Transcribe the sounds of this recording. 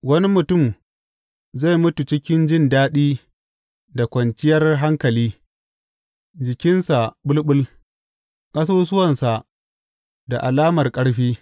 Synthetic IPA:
wɐ˦ni˦mʊ˨tʊ˦˨m | za˦˨mʊ˦tu˨t͡ʃɪ˦kʲɪ˦nd͡ʒɪ˦ndaː˦ɗiː˦ | da˨kʷɐ˨nt͡ʃɪ˦jɐ˦rɦa˦ŋkɐ˨liː˦ | d͡ʒɪ˨kʲɪ˦nsa˨ɓʊ˦lɓʊ˦l | kʼɐ˦s̬oː˦s̬ʊ˦wɐ˨nsa˨ʔ | da˨ʔa˨laː˦mɐ˨rkʼɐ˦ɽɸiː˦

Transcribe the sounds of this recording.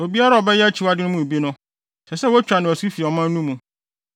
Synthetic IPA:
o˨bi˦a˦ɾa˦ɔ˨bɛ˦jɛ˦æ˦t͡ɕʰi˨wa˦dɪ˦nʊ̃˦mũ˦e˨bi˦nʊ̃˦ | sɛ˨sɛ˦wɔ˦t͡ɕᶣɾa˨nɪ̃˨ɔ˨su˦fi˨ɔ˨mã˦n˦nũ˦mũ˨

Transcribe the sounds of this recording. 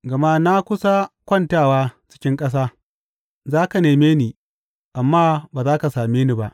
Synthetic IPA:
ɡɐ˨ma˦na˦kʷʊ˦sa˦kʷɐ˦ntaː˦˨waː˦t͡ʃɪ̥˦kʲɪ˦ŋkʼɐ˦s̬aː˦ | zaː˦ka˨neː˨meː˦niː˨ | ʔa˨mːaː˦baː˨zaː˦ka˨saː˨meː˦ni˨ba˦ʔ

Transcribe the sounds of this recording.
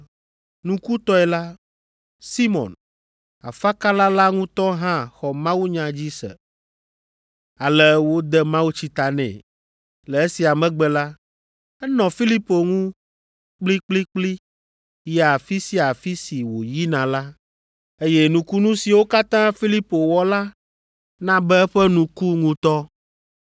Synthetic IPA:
nũ˦ku˦t̪ɔ˦ɛ˨la˦ | si˦mɔ̰̃˨n | a̰˨fa˦ka˦la˦la˦ŋũ˦t̪ɔ˦ɦã˦xɔ˨mã˦wu˦ɲã˨d͡ʑi˦sɛ̰˨ | a˨lɛ˦wo˦d̪ɛ˦mã˦wu˦t͡ɕi˦t̪a˨nɛ̰̃˨ | lɛ˨e˦si˨a˨mɛ̃˦ɡ͡bɛ˨la˦ | ɛ˦nɔ̃˨fi˦li˦po˨ŋũ˦ | k͡pli˦k͡pli˦k͡pli˦ | ja˨fi˦si˦a˨fi˦si˨wo˨ji˦nã˨la˦ | e˦jɛ˦nũ˨˦ku˦nũ˦si˨wo˦ka˦t̪ã˦fi˦li˦po˨wɔ˦la˦ | nã˦bɛ˦ɛ˦ɸɛ˦nũ˦ku˦ŋũ˦t̪ɔ˦

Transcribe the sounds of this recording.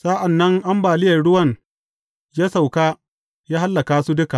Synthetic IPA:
sa˦ʔa˨nːɐ˦ŋʔa˦mbaː˨lɪ˦jɐ˨rɽʊ˦wɐ˦˨ŋ | jaː˦sa˨wkaː˦ | jaː˦ha˦lːɐ˨kaː˦su˦dʊ˦ka˨ʔ

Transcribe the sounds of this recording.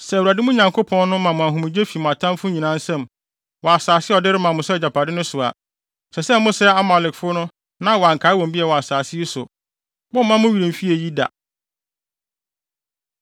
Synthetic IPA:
sɛ˨wɾa˨dɪ˦mʊ̃˦ɲã˨ŋkʰo˦pʰɔ̃˦n˦nʊ̃˦mã˨mʊ̃˨a˨ɦʊ̃˨ɪ̃˨d͡ʑe˦fi˨mʊ̃˨a˨tʰã˦mfʊ˦ɲĩ˨nã˦n˦sɛ̃˦˨m | wɔ˨a˨saː˨sɪ˦ɔ˨dɪ˦ɾɪ˦mã˨mʊ̃˨sɛ˦˨d͡ʑa˨pʰa˨dɪ˦nʊ̃˦sʊ˨a̰˨ | sɛ˨sɛ˦mʊ̃˦sɛ˦a˦ma˨lɪ˨kfʊ˦nʊ̃˦ | nã˦wɔ˨a˨ŋ̩˨kʰa˨˦wɔ̃˨mbi˦ɛ˨wɔ˨a˨saː˨sɪ˦i˦sʊ˨ | bʊ̃˦m̩˦mã˦mʊ̃˦ɥi˨ɾĩ˨m˨fi˦e˨ji˦da̰˨

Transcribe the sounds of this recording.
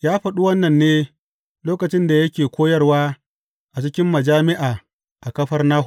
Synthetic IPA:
jaː˦ɸɐ˨ɗu˦wɐ˦nːɐ˨nːeː˦ | loː˦kɐ˨t͡ʃɪ˦nda˨jɐ˦kʲeː˨kʷoː˦jɐ˦rwaː˦ | ʔa˨t͡ʃɪ˦kʲɪ˦mːɐ˨d͡ʒaː˦mɪ˦ʔaː˨ | ʔa˨kɐ˦ɸɐ˦rnaː˦ɦ

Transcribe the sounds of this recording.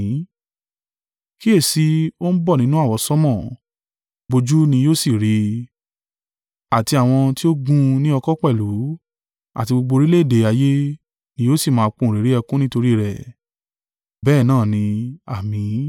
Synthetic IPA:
ki˦e˦˨si˨˦o˦n̩˦bɔ˦˨nĩ˦nũ˦a˦˨wɔ˧sɔ˦mɔ̃˦˨ | bo˧d͡ʒu˦nĩ˧joː˦si˦˨ɾi˨˧ | a˨ti˧a˨w̃ɔ̃˧ti˦o˦ɡũ˦nĩ˦ɔ˧kɔ˦k͡pɛ˦˨lu˨˦ | a̰˦˨ti˧ɡ͡bo˧ɡ͡bo˧ɾi˦le˦˨de˨a˧je˦ | nĩ˧joː˦si˦˨mãː˨˧k͡pũ˦˨ɾi˨˦ɾi˦ɛ˧kũ˦nĩ˦to˧ɾi˦˨ɾɛ˨ | bɛː˦˨nãː˦˨nĩ˧a˨mĩ˨˧˦

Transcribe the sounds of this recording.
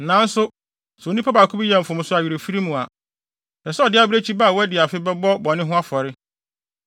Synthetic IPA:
nã˨˦n̩˦sʊ˦ | sɛ˨o˦nĩ˦pʰa˦ba˨kʰu˦bi˦jɛ̃˨m̩˨fʊ̃˨m̃˦sʊ˦a˨ɥɾe˨fi˦ɾi˦mũ˨a˨ | na˨sɛ˦ɔ˨dɪ˦a˨˦bɪ˦ɾe˦t͡ɕʰi˦ba˦˨wɔ˦dɪ˨a˨fɪ˦bɛ˦bɔ˦bɔ˨nɪ̃˦ɦʊ̃˦a˦fɔ˨ɾɪ˦

